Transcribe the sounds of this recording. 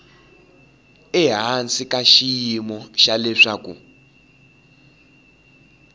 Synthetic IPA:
ɛɦant͡sʼikʼaʃijimɔʃalɛʂakʼṵ

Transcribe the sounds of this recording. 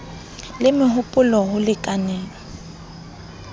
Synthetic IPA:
lɪmɪɦʊpʼʊlɔhʊlɪkʼanɛːlɔ

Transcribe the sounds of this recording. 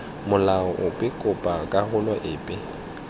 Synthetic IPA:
mʊlaɔʔʊpʼɪkʼʊpʼakʼahʊlɔʔɪːpʼɪ

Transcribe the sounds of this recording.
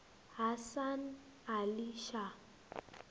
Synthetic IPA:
ɦasan | aliʃa

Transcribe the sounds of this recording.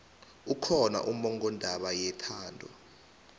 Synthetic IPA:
ukʰɔna̰ʔumɔŋɡɔndʱaɓajɛtʰaːndʱɔ̰

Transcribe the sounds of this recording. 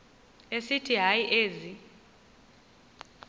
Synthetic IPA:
esitʰiɦajiʔeːzi

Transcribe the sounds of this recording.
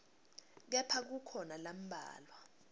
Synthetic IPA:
k̬ɛpʰak̬ukʰɔnalam̩bʱa̰ːlwa

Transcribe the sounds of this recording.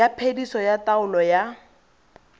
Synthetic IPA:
apʰedisɔjataʊlɔja

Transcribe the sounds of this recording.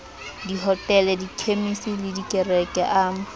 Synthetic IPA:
diɦɔtʼɛlɛdikʰemisɔlɪdikʼɛrɛkʼɛʔaː

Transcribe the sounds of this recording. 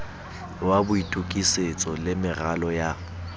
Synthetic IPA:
wabʊitʼukʼiset͡sʼɔlɪmɪralɔja

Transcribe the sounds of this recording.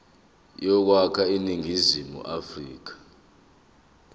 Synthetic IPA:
jɔk̬wakʰainiŋʱizimṵʔafriːk̬ḁ

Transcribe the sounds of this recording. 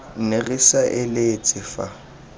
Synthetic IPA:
n̩nerisaʔɪlet͡sʼɪfa̰

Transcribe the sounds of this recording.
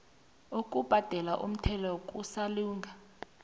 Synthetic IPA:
okʼub̥ʱad̥ʱɛlaʔṵm̩tʰɛlɔkʼusaluːŋɡʱa

